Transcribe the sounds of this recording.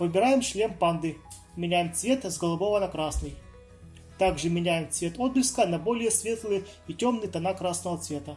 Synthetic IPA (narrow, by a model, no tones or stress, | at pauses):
vɨbʲɪɾajɪmʂlʲempand̪ɨ | mʲɪnʲæjɪmt̪svʲe̞t̪zɡəlˠʊbovənɐkɾasnɨj | t̪aɡʐɨmʲɪnʲæjɪmt̪svʲe̞t̪od̪̚blʲɪskənɐbolʲɪjəsvʲe̞t̪lˠɨj | itʲomnɨjt̪ɐnakɾasnəvət̪svʲe̞t̪ə